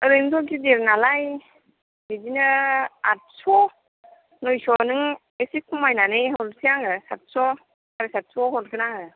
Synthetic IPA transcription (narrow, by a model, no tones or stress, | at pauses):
ɯɾɯjmtʰɔɡideɾnalaj | bizinɯat̚sɔ | nɔjsɔnɯŋ | esikʰumajnanejɦɔlsijaŋɯsat̚sɔ | aɾɯsat̚sɔhɔlkɯnaɯ